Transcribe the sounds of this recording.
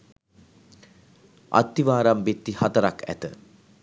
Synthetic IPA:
a̰t̪ːiʋaːɾambet̪ːihat̪əɾakʰæ̰t̪ə

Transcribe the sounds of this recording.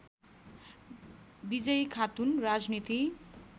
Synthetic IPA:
bid͡zʌjkʰat̪unrad͡znit̪i

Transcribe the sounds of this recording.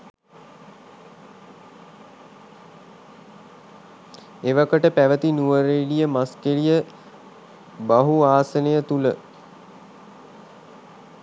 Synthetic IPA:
eʋakəʈəpæʋət̪inuʋəɾelijəmaskelijə | baɦuaːsənejət̪ulə

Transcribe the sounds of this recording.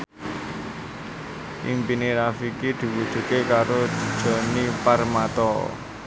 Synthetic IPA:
ʔimpiniɾafikid̪̥i̤wud̥ʒ̥ṳtkekaɾod̪̥i̤d̥ʒ̥ɔ̤niparmat̪ɔ

